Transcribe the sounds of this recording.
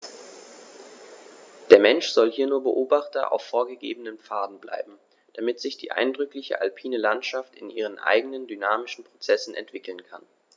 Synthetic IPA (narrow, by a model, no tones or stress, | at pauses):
d̥eːɐmɛnʃz̥ɔlhiːɐnuːɐbəʔoːbaχtɐʔa̰ʊfːoːɐɡəɡḛːbənəmp͡faːdn̩bla̰ɪbm̩ | d̥amɪtz̥ɪçd̥ḭːʔa̰ɪndʁʏklɪçə̰ʔa̰lpʰiːnəlantʃaftɪnʔiːʁ̞ənʔa̰ɪɡənəndynaːmɪʃn̩pʁ̥ot͡sɛsn̩ʔɛ̰ntv̥ɪkl̩nkʰan